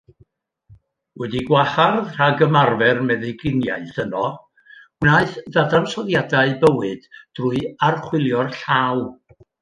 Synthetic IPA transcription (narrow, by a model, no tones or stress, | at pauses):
wɛdiɡwaharðr̥aɡəmarvɛrmɛðɨɡɪnja̰ɨθənɔ | naɨθðadansɔðjadaɨbəwɨd̥d̥rʊɨarχwɪlˠjɔrɬaːw